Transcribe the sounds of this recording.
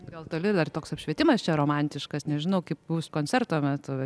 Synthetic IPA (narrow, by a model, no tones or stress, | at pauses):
ɡɐlˠt̪oːlʲɪd̪ɐrt̪oːksɐpʃʲʋʲiɛt̪ʲɪmɐst͡ʃʲɛɾoːmɑnʲt̪ʲɪʃkɐsnʲɛʒʲɪnɐʊkɐɪpbuːskoːnʲt͡sʲɛrt̪oːmʲɛt̪ʊ